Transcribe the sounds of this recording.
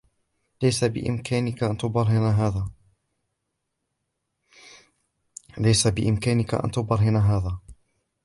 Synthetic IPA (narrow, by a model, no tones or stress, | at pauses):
lajsabɪ̰ʔɪ̰mkʰaːnɪkaʔant̪ʊbɑɾˤhɪnaɦaːðaː | lajsabɪʔɪ̰mkaːnɪka̰ʔa̰nt̪ʊbɑɾˤɦɪnaɦaːðaː